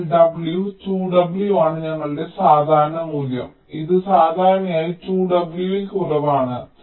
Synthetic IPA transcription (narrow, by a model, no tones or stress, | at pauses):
ɖɐbljut͡ɕuːɖɐbljuaːɳɨɲɐŋːɐɭɨɖe̞saːd̪ʱaːɾɐnɐmuːljɐ̰m | iðɨsaːd̪ʱaːɾɐnɐmaːjit͡ɕuːɖɐbljuilkurɐʋaːɳɨ